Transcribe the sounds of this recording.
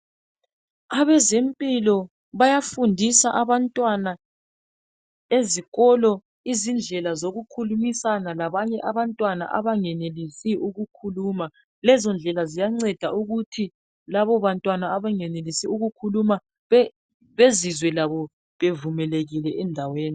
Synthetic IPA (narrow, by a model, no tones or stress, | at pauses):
aβɛzempʼilɔ | βajafundʱisaʔaβantʼwana | eziɣɔlɔ | izind͡ɮʱɛlazoɣukʰulumisanalaβaɲɛʔaβantʼwana̰ʔaβaŋɛnelisiʔuɣukʰuluːma | lɛzɔnd͡ɮʱɛlazijaŋ͡ǀɛd̥ʱauɣutʰi | laβɔβantʼwanaaβaŋɛnelisiuɣukʰuluma | βezizwɛlaβɔ | βevumɛleɣilɛʔɛndʱaweːni